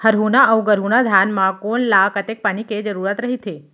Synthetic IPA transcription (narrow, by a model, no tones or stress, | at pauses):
həɾɦunaəuɡəɾɦunad̪ʱjanmãkonlakət̪ek̚paniked͡ʒəɾuɾat̪ɾəɦit̪ʰe